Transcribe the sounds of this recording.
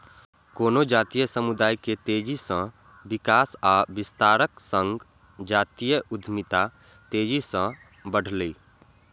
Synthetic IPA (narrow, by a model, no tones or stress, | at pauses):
koːnod͡ʒaːt̪ijəsəmud̪aːjket̪eːd͡ʒisə̃ | bɪkaːsabɪst̪aːɾəksə̃ŋɡ | d͡ʒaːt̪ijəʔʊd̪ʱmɪt̪a | t̪eːd͡ʒisə̃ | bəɽ̤ʱliː